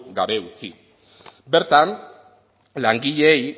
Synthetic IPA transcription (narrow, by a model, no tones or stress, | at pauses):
ɡaβe̞ut͡si | beɾt̪an | laŋɡiʎeːj